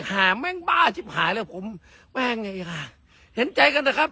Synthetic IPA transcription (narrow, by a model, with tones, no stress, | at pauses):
haː˨˩mɛː˧˩ŋbaː˧˩sʰi˧˥˩p̚haː˨˩˦lɛː˧˩pʰo˨˦m | wɛː˧˩ŋa˧˩i˧˩ka˧˩ | he˨˩˦nt͡ɕa˧jka˧nːaː˧˩kʰa˦˥p̚